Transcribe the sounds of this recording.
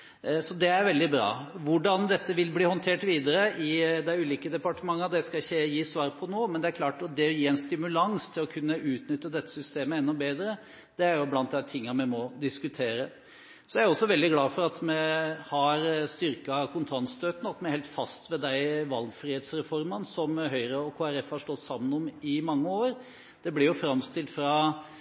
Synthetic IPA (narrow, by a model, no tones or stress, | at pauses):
sɔd̪ɛæɾʋɛld̪ɪbɾɑ̰ːʋʊɖɑnd̪ɛt̪ːəʋɪlbliːhɔnt̪ʰeːʈʋiːd̪əɾəʔɪd̪æɪʉːliːkəd̪ɛpɑʈəmɑŋːɑd̪ɛskɑɪçːəjiːsʋɑːɾpʰɔnoːmɛnd̪ɛæɾkʰlɑːʈɔd̪ɛjiːæɪnst̪ɪmʉlɑŋst̪ʰɪlɔkʰʉnːəʔʉːt̪nʏt̪ːəd̪ɛt̪ːə̥sʏst̪eːməɛnːɔbeːd̪ɾə | d̪̥ɛæɾjʊblɑnt̪d̪æt̪ʰɪŋːɑmɛmɔd̪ɪskʉt̪ʰeːɾə | sɔjæɾɔsːɔʋɛld̪ɪɡlɑːfɔɾɑt̪mɛhɑɾst̪ʏɾkɑkʰʊnt̪ʰɾɑnst̪øːt̪ənəɑt̪mɛæɾheːlt̪fɑst̪ʋɛd̪æɪʋɑlɡfɾiːeːt̪sɾɛfɔɾmənsɔmɦœʏɾəɔkʰoːæɾɛfhɑʂʈ̪ɔt̪ːsɑmːənɔmɪmɑŋːəoːɾ | d̪̥ɛblɪɾjʊfɾɑmst̪ɪlt̪fɾɑ